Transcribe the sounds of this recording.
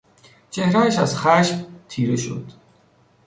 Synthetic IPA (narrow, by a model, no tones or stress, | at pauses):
t͡ʃʰe̞hɾææʃæzxæʃbt̪ʰiːɾeʃo̰d̪̥